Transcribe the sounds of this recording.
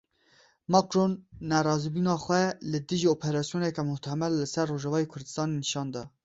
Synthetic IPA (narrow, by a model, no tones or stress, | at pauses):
mɑkɾonːæɾɑːzibinɑːxʷɛlɨd̪ɨʒiopʰɛɾɑːsijoːnɛkɛmʊht̪ʰɛmɛllɨsɛrːoːʒɛvɑːjekʰʊɾd̪ɨ̥st̪ɑːneniʃɑːnd̪ɑ